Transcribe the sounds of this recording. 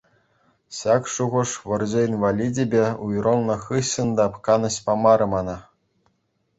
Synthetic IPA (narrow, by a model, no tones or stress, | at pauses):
ɕɑkʂuʁɤ̆ʂʋɤ̆rʑeinʋalʲidʲebʲeujrɤ̆lˠnɤ̆χɯɕːɤ̆nd̪ɑpkɑnɤ̆ɕʲpɑmɑɾɤ̆mɑnɑ